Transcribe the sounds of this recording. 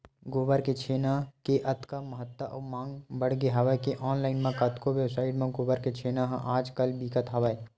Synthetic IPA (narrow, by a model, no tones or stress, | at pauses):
ɡoːbəɾket͡ʃʰeːnakeʔɐt̪kaməɦət̪ːəʔɔːmãːŋɡbəɽɡeɦɐʋəkeʔɔːnlaːɪnmẽkət̪koʋebsaːɪʈmẽɡoːbəɾket͡ʃʰeːnaɦʔaːd͡ʒkəlbikət̪ɦɐʋəe